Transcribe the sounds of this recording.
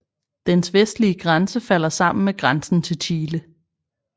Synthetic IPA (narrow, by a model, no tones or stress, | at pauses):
d̥ensʋesd̥liəɡ̥ʁansəfæl̰ɐsɑ̈m̰n̩meɡ̥ʁansn̩t͡sʰe̝lt͡ɕʰiːlə